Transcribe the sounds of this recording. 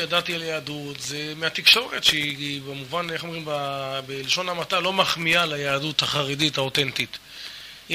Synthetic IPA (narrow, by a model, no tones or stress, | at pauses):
jadat̪ialjaːdut̪zemeat̪ikʃo̞ʁet̪ʃeibemuvaneχomʁimbabeliʃo̞namatalo̞maχmialajaːdutaχaʁeditaot̪entit̪